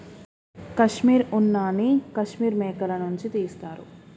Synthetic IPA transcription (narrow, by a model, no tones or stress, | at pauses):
kɐʂmiːɾunːaːnikɐʃmiːɾmɛːkɐlɐnuɲt͡ʃit̪iːst̪aːɾṵ